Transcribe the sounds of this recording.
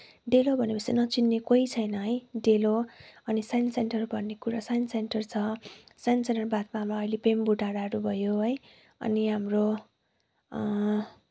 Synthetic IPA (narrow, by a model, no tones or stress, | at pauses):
ɖelobʱʌnepʌsenʌt͡sinːekoit͡sʰʌjnʌɦʌjɖeloʌnisajnsenʈʌrbʱʌnːekuɾasajnsenʈʌrt͡sʰʌsajnsenʈʌrbat̪maɦamlaʌilepembuʈaɾaɦʌɾubʱʌjoɦʌj | ʌ̰niɦamro